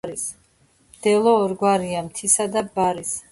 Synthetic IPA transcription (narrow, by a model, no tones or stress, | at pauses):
ɾis | md̪̥ɛlˠɔːɾɡwaɾiamt̪ʰisad̪abaɾis